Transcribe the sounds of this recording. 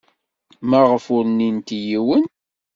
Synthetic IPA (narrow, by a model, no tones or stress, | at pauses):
mæʁəfʊɾnint̪jiwən